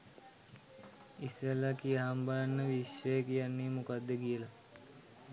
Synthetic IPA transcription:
isəlakiaɦambalanːəʋiʃʋəjekijanːiːmukad̪ːəkijəla

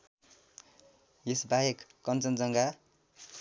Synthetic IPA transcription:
jesbajekːʌnt͡sʌnd͡zʌŋɡa

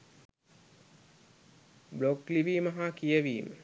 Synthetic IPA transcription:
blokliʋimaɦakijəʋiːmə

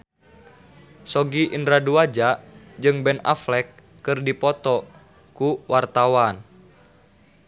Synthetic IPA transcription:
sɔɡiʔindɾaduad͡ʒa | d͡ʒɨŋbɛna̰flɛkː | ɨrdipɔt̪ɔ | kuwart̪awan

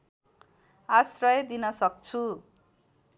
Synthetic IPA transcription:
asrʌjd̪inʌsʌk̚t͡sʰu

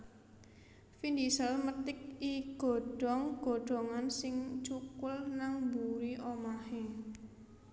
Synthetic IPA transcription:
find̪isəlmət̪ɪk̚iɡ̥ɔ̤ɖ̥ɔŋɡ̥ɔ̤ɖ̥ɔ̤ŋansɪŋt͡ʃukʊlnaŋbuɾiʔomahe

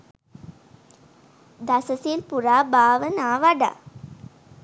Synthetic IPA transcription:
d̪ɐsɐsilpuɾaːbaːʋənaːʋaɖa̰

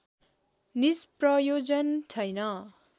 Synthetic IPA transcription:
nisprʌjod͡zʌntʰʌjnʌ

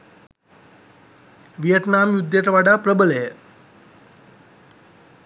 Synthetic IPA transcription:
ʋijəʈnaːmjud̪jɐʈ̪ɐʋaɖapɾəbəlej

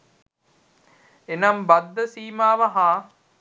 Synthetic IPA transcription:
enɐmbɐd̪ːəsiːmaːʋɐɦaː

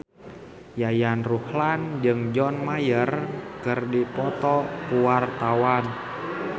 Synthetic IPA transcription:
jajanruhland͡ʒɨŋd͡ʒɔnmajərkərdipɔt̪ɔʔpuwart̪awan

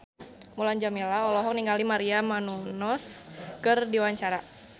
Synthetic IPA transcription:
muland͡ʒamilaɔlɔɦɔk̚niŋalimaɾiamanunɔskərdiwaɲt͡ʃaɾa

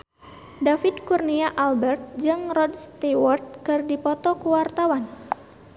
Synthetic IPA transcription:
dafidkurniaʔalbɛrt̪̚d͡ʒɨŋrɔdst̪iwɔrt̪̚kɨrdipɔt̪ɔkuwart̪awan

